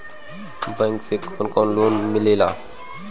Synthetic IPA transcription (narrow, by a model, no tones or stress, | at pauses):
bəŋkseːkʰonkoːnloːnmɪleːlaː